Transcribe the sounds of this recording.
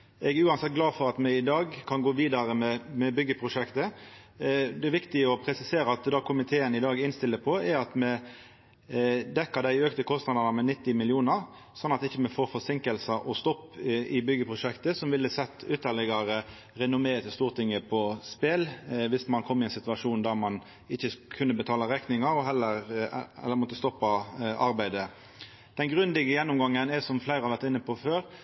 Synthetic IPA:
ɛɡæʉːɑnsɛt̪̚ɡlɑːdfɔɾɑt̪mɛɪd̪ɑːɡkʰɑnɡoːʋiːd̪ɑɾəmɛmɛbʏɡːəpʰɾʊʂɛkt̪ə | d̪ɛʋɪkt̪ɪəɔpʰɾɛsɪseːɾəɑt̪d̪ɑːkʰʊmɪt̪ʰeːənɪd̪ɑːɡɪnst̪ɪlːəpʰɔɛɾɑt̪mɛ | d̪ɛkːəd̪æɪøːkt̪əkʰɔst̪nɑd̪əʁnɑmɛnɪt̪ːɪmɪljuːnəʁ | sɔnːɑt̪ɪçːəmɛfoːɾfɔsɪŋkəlsəʔɔst̪ɔpːɪbʏɡəpʰʁʊʂɛkt̪əsɔmʋɪlːəsɛt̪ːʏt̪ːəʁlɛɡɑɾə | ɾɛnʊmeːət̪ɪst̪uːʁt̪ʰɪŋːəpʰɔspelʋɪsmɑnkʰɔmːɪɛɪnsɪt̪ʉʋɑʂuːnd̪æɾmɑn | ɪçːəkʰʉnːəbət̪ʰɑːlɑɾɛknɪŋɑɾɔɦɛlːəɾɛ̰lːəɾmɔt̪ːəst̪ɔpːɑʔɑɾbæɪd̪ə | d̪̥ɛnɡɾʉnd̪ɪɡəjɛnːʊmɡɑŋːənɛsɔmflæɪɾəhɑʋæʁɾt̪ɪnːəpʰɔføːɾ

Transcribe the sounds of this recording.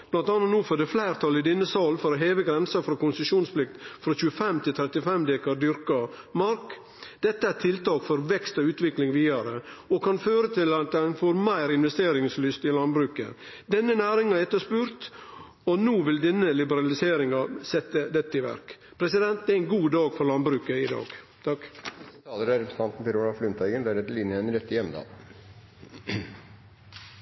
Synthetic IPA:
b̥lɑnt̪ɑnːɑt̪nuːfɔd̪ɛflæɪɾt̪ʰɑlɪd̪ɪnːəsɑlfɔɾɔɦeːʋəɡɾɛnsɑfɾɔkʊnsʉʂuːnsplɪk̚t̪fɾɔçʉːəfɛmt̪ʰɪlt̪ʰɾɛt̪ɪfɛmd̪eːkɑɖ̪ʏɾkɑ | mɑɾk | d̪ɛt̪ːəæɾt̪ʰɪlt̪ɑːkfɔɾʋɛkst̪ɔʉːt̪ʋɪklɪŋʋiːɑɾəɔkʰɑnføːɾət̪ʰɪlɑt̪̚d̪ɛnfoːɾmæɪɾɪnʋɛst̪eːɾɪŋslʏst̪ɪlɑnbɾʉːkə̰ | d̪ɛnːənæːɾɪŋɑɛt̪ːəspʉːɾt̪ | ɔnuːʋɪld̪ɛnːəlɪbəɾɑlɪseːɾɪŋɑsɛt̪ːəd̪ɛt̪ːəɪʋæ̰ɾkpʰɾɛsɪd̪ɛnt̪̚d̪ɛæɪnɡuːd̪ɑːɡfɔɾlɑnd̪bɾʉːkəɪd̪ɑ̰ːɡ | t̪ʰɑkt̪ʰɑːləɾɑɾɛps̩ʰɑnt̪n̩pɛɾoːlɑflʏmt̪ʰæɪɡənd̪æɾɛt̪lɪnjəɛnɾɛt̪ːɪjɛmːd̪ɑ̰ː

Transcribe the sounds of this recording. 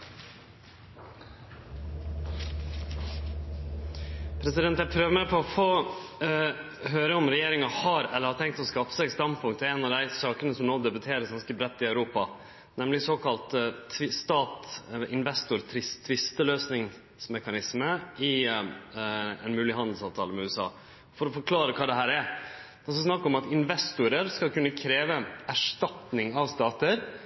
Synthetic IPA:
pʰɾɛsɪd̪ɛnt̪jæɪpʰɾøːʋəmæpʰɔɔfoː | ɦøːɾəʊmɾɛjeːɾɪŋɑhɑɾɛ̰ləɾhɑʈ̪ʰɛŋkt̪ɔskɑːfə̥sɛɪɡst̪ɑnd̪pʰʊŋk̪̚t̪ɛnɑʋd̪æɪsɑːkənəsɔmnoːd̪ɛbʉt̪ʰeːɾəsɡɑnskəbɾɛt̪ːɪœʉɾuːpɑ | nɛmlɪsoːkʰɑlt̪ɪst̪ɑːt̪ʔɪnʋɛst̪ʊɾt̪ʰɾɪst̪ʰːʋɪst̪əløːsnɪŋ | smɛkɑnɪsməɪ | ɛ̰nmʉːlɪhɑnd̪l̩sɑːʋt̪ʰɑ̰ːləmɛʉːɛsɑ̰ː | fɔɾɔfɔɾkʰlɑːɾəkʰɑːd̪ɛɦæːɾɛd̪ɛsɑsnɑkːəɔmɑt̪ɪnʋɛst̪ʊɾəɾskɑlkʉnːəkʰɾeːʋəæʂtɑt̪nɪŋɑʋst̪ɑːt̪əɾ

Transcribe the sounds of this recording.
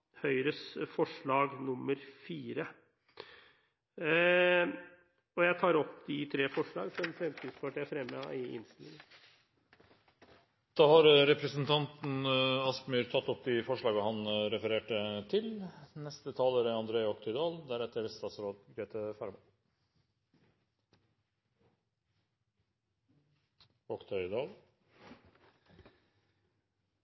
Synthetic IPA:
hœʏɾəsfɔʂɭɑːɡnʊmːəɾfiːɾə | ɔjæɪt̪ʰɑːɾɔpːd̪ɪt̪ʰɾeːfɔʂɭɑ̰ːɡfɛnfɾɛmt̪ʰiːd̪spɑʈʰiːfɾɛmːəɑ̰ɪʔɪ̰nst̪ɪlɪ̰ŋən | d̪̥ɑːhɑɾɾɛpɾəsənt̪ʰɑnt̪n̩ɑsmyːɾt̪ʰɑt̪ːɔp̚ːd̪ɪfɔʂɭɑːɡəhɑnɾɛfəɾeːʈət̪ʰɪlnɛst̪ət̪ʰɑːləɾɛɑnd̪ɾeːɔkt̪ʰœʏd̪ɑːld̪æɾɛt̪ːəɾst̪ɑːt̪sɾoːd̪ɡɾeːt̪ʰəfɑɾmɑ | ɔkt̪ʰœʏd̪ɑːl

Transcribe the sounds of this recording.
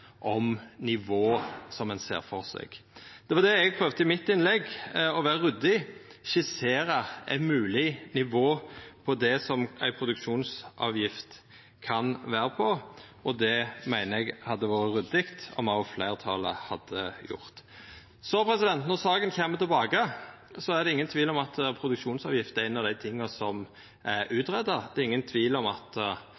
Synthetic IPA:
ʔɔmnɪʋoːsɔmænsḛːɾfɔʁsɛ̰ɡ̥d̪̥ɛʋɑʁd̪ɛɛɡ̚pʰɾøːʋd̪əɪmɪt̪ːɪnlɛɡɔʋæːɾəɾʉd̪ɪʃɪseːɾəæ̰ɪmʉːlɪnɪʋoːpʰɔd̪ɛsɔmæ̰ɪpʰɾʊd̪ʉkʃuːnsʔɑ̰ːʋjɪft̪ | kʰɑnʋæːɾəpʰɔ | ʔɔd̪ɛmæɪnəɛɡhɑd̪ːəʋɑːɾəɾʉd̪ɪkt̪ɔ̰mɑʊflæɪʁt̪ʰɑːlə̰hɑd̪ːəjʊ̰ʁt̪ | sɔpʰɾɛsɪd̪ɛnt̪nɔʁsɑːɡənçeːmət̪ʰɪlbɑːɡə | sɔæd̪ɛɪŋːənt̪ʰʋiːlɔmɑt̪pʰɾʊd̪ʉkʂuːnsɑ̰ːʋjɪft̪əɛːnɑd̪æɪt̪ʰɪŋːɑsɔm | ʔæʉːt̪ɾɛd̪ːɑd̪ɛɪŋːənt̪ʰʋiːlɔmɑt̪

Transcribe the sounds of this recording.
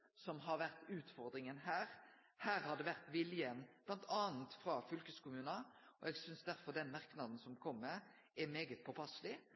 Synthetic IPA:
sɔmɦɑɾʋæʁt̪ʉːt̪fɔɾd̪ɾɪŋənɦæːɾ | hæːɾhɑd̪əʋæʁt̪ʋɪljənb̥lɑnt̪ʰɑːnt̪fɾɑfʏlkəskʊmʉːnɑɔ̰ɛɡsʏnsd̪æɾfɔʁd̪ɛnmɑʁknɑd̪n̩sɔmkʰɔmːə | ɛmeːɡət̪̚pʰɔpʰɑslɪ

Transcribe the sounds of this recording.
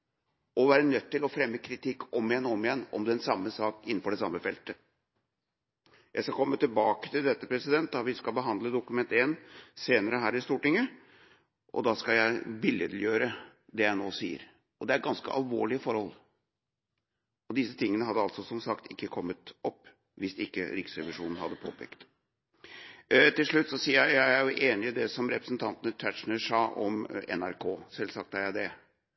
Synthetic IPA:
ʔɔʋæːɾənœt̪ːɪlɔfɾɛmːəkʰɾɪt̪ʰɪkːɔmːɪjɛnːɔɔmːɪjɛnːɔ̰md̪ɛɛnsɑmːəsɑːkɪnːn̩fɔɖɛsɑmːəfɛlt̪ə | jæɪskɑkʰɔmːət̪ɪlbɑːkə̥t̪ʰɪld̪ɛt̪ːəpʰɾɛsɪd̪ɛnt̪̚d̪ɑʋɪskɑlbəɦɑnd̪ləd̪ʊkʉmɛnt̪eːnseːnəɾəɦæːɾɪst̪uːʈɪŋːə | ʔɔ̰d̪ɑskɑljæɪbɪljəd̪l̩jøːɾə | d̪ɛjæɪnoːsḭːə̰ɾ | ɔd̪ɛæɾɡɑnskə̰ʔɑ̰lʋoːɭɪəfɔɾhɔl | ɔd̪ɪsət̪ʰɪŋːənəhɑd̪ːəɑlt̪sɔsɔmsɑkt̪ʰɪkːəkʰɔmːət̪ʔɔpː | ʋɪsɪkːə̰ɾɪksɾɛʋɪʂuːnn̩hɑ̰d̪ːəpʰo̰ːpʰɛ̰ːkt̪ | t̪ɪlʂɭʉt̪ːsɔsiːæææɾjʊʔeːnɪɪd̪ɛsɔmɾɛpɾəsnt̪ʰɑnt̪ənət̪ʰæʈʂn̩əʂɑːʔɔ̰mɛ̰næɾkʰoːsɛlsɑk̚t̪æɾjæɪd̪ɛ

